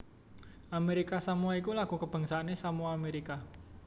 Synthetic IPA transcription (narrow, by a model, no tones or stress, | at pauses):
ʔameɾikasamuaikulaɡ̥ṳkəb̥a̤ŋsaanesamuaːmeɾika